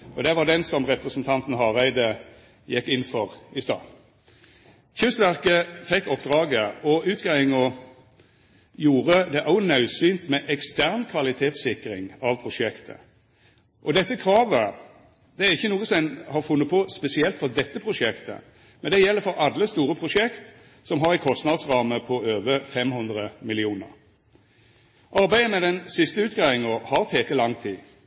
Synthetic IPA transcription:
ɔd̪ɛʋɑd̪ɛnsɔmʁɛpɾəsnt̪ʰɑnt̪n̩hɑæɪd̪ə | jɛkːɪnːfɔʁɪst̪ɑ̰ː | çʉst̪ʋæʁkəfɛkːɔpːd̪ʁɑːɡəɔʉːt̪ɡæɪŋɔ | juːɾəd̪ɛʔɑʊnɑʉsyːnt̪mɛʔɛkst̪ʰæʁnkʰʋɑlɪt̪ʰeːt̪sɪkɾɪ̰ŋɑʋpʰɾʊʂɛkt̪ʰə̰ | ʔɔd̪ɛt̪ːəkʰʁɑːʋə | d̪ɛæʁɪçːənuːəsɛnhɑʁfʉnːət̪pʰɔspɛsɪɛlt̪fɔʁd̪ɛt̪ːəpʰʁʊʂɛkt̪ə̰ | mɛnd̪ɛjɛlːəfɔɾɑd̪ləst̪uːɾəpʰʁʊʂɛkt̪ | sɔmɦɑʁɪkʰɔst̪nɑd̪sʁɑːməpʰɔøːʋəfɛmhʉnd̪ʁəmɪlɪuːnə̰ʁ | ʔɑʁbæɪəmɛd̪ɛnsɪst̪əʉːt̪̚ɡɑːʋɪŋɔhɑʁt̪ʰeːk̪əlɑŋt̪ʰiː

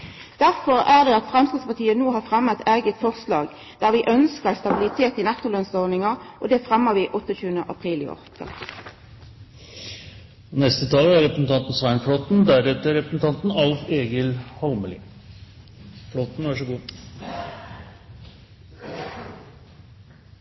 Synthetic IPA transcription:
d̪̥æʁfɔʁæʁd̪ɛɑt̪fʁɛmskɪspɑt̪ʰiːənuːhɑːʁfʁɛmːət̪ʰæːɡət̪fɔʁslɑːɡ | d̪̥æːʁʋɪʔœnskəʁst̪ɑbɪlɪt̪ʰeːt̪ɪnæt̪ːʊlœnsɔnnɪŋɑʔɔd̪ɛfʁɛmːəʁʋiːʔɔt̪ːəçʉːənəʔɑpʰʁiːlɪ̰ɔ̰ʁt̪ʰːə̰ | ɔnɛst̪ət̪ʰɑːlæɾɾɛpɾəsn̩t̪ɑnt̪n̩sʋæɪɳflɔt̪n̩d̪æɾɛt̪əɾɛpɾəsn̩t̪ʰɑnt̪n̩ɑlfeːɡɪlhɑlməlḭː | flot̪n̩ʋɑʂɔɡuː

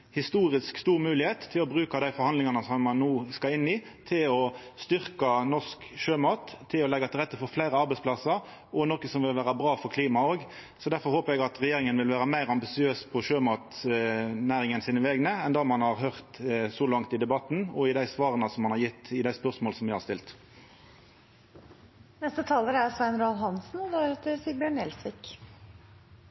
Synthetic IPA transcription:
hɪst̪uːɾɪskst̪uːɾmʉːlɪheːt̪ʰːɪlɔbɾʉːkɑd̪æɪfɔɾhɑnd̪lɪŋɑnəsɔmːɑnːuːskɑlɪnːɪt̪ʰɪlɔst̪ʏʁkɑnɔʂkʃøːmɑːt̪ʰːɪlɔlɛɡːɑt̪ʰɪlʁɛt̪ːəfɔɾflæɪɾəɑɾbɛɪsplɑsɑɾ | ʔɔnɔkːəsɔmʋɪlʋæːɾɑbɾɑːfɔɾkʰliːmɑoːɡ | sɔd̪æɾfɔɾhoːpəɾɛɡɑt̪ɾɛjeːɾɪŋənʋɪlʋæːɾəmæɪɾɑmbɪsɪøːspʰɔʃøːmɑːt̪ | næːʁɪŋənsiːnəʋɛɡnəɛnd̪ɑːmɑnhɑʁɦœʁt̪sɔlɑŋt̪ɪd̪ɛbɑt̪n̩ɔɪd̪æɪsʋɑːʁənəsɔmːɑnhɑɾʁjɪt̪ːɪd̪æɪspœʁsmoːlsɔmʋɪhɑʁst̪ɪlt̪ | nɛst̪ət̪ʰɑːləɾæsʋɛnɾɑːlɦɑnsn̩ɔd̪ɾɛt̪əsiːɾbjøːɳɛlsʋɪk

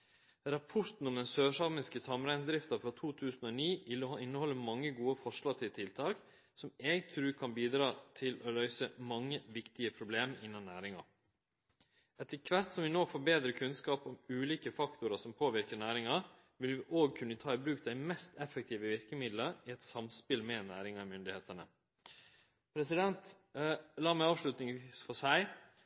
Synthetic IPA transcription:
ɾɑpʰɔɾt̪n̩ɔmd̪ɛnsøːʂɑɾmɪskət̪ʰɑmɾæɪnd̪ɾɪft̪ɑfɾɑt̪ʰuːt̪ʰʉːsn̩oːniːʋɪlːɔhɑɪnːəhɔlːəmɑŋːəɡuːəfɔʂlɑt̪ʰɪlt̪ʰɪlt̪ʰɑːk | sɔmɛɡt̪ʰɾʉːkʰɑnbiːd̪ɾɑːt̪ʰɪlolœʏsəmɑŋːəʋɪkt̪ɪəpʰɾʊbleːmɪnːɑnnæ̰ːɾɪŋɑ̰ | ɛt̪ːəkʰʋæɾt̪sɔmʋɪnoːfɔɾbeːd̪ɾəkʰʉnskɑːpɔmʉːliːkəfɑkt̪ʊɾɑsɔmpʰoːʋɪɾkənæːɾɪŋɑ | ʋɪlʋɪʔoːɡ̚kʰʉnːət̪ʰɑːɪbɾʉːk̚d̪æɪmɛst̪ɛfːɛk̚t̪ʰiːʋəʋɪɾkəmɪd̪ləɾɪɛt̪sɑmspɪlmɛnæːɾɪŋɑmʏnd̪ɪheːt̪ənə | pʰɾɛsɪd̪ɛnt̪ | lɑːmæɪɑːʋʂlʉt̪nɪŋːsfɔʂæɪ

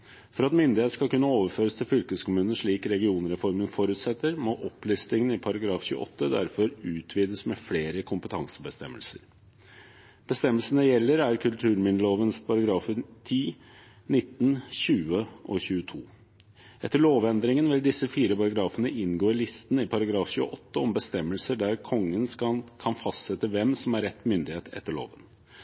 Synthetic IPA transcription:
fɔɾɑt̪mʏnd̪ɪheːt̪skɑlkʉnːəoːʋəɾføːɾəst̪ʰɪlfʏlkəskʊmʉːnnʂɭiːkɾɛɡɪuːnɾɛfɔɾmənfɔɾʉt̪sɛt̪ːəɾmɔʔɔplʏst̪ɪŋənɪpʰɑɾɑɡɾɑːfçʉ̰ːə̰ʔɔ̰t̪ːəd̪æ̰ɾfɔɾʉːt̪ʰʋiːd̪əsmɛfleːɾəkʰʊmpət̪ʰɑŋsə̥bəst̪ɛ̰mːə̰lsəɾ | b̥əst̪ɛmːəlsən̩əjɛlːəɾæɾkʰʉlt̪ʰʉːɾmɪnəloːʋənspʰɑɾɑɡɾɑːfət̪ʰiː | nɪt̪ːn̩çʉːəʔɔçʉːət̪ʰṵː | ʔɛt̪ːəɭoːʋɛnd̪ɾɪŋənʋɪld̪ɪsːəfiːɾəpɑɾɑɡɾɑːfənəʔɪnɡoːɪlɪst̪ən̩ɪpʰɑɾɑɡɾɑːfçʉːə̰ʔɔt̪ːəɔmbəst̪ɛmːəlsəɖæɾkʰɔŋːənkʰɑnfɑst̪sɛt̪ːəʋɛmsɔmæɾɛt̪ːmʏnd̪ɪheːt̪ʰɛ̰t̪ːəɭo̰ːʋən

